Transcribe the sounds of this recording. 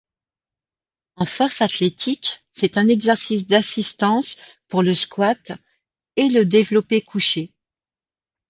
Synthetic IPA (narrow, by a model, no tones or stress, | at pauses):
ɑ̃fɔʁsat̪let̪ʰiksɛt̪ɛ̃nɛɡzɛʁsis̬d̪asist̪ɑ̃s | puʁləskwat̪ | eləd̪evlɔpekʰuʃe